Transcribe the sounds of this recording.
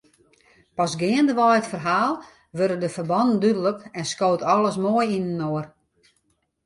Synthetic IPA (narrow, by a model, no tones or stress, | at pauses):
pɔsɡɪəndəʋɔjətfərɦaːlˠ | ʋøɾədəfərbɔndn̩dydələkɛnskoːtɔlˠəs̬moəjinnoər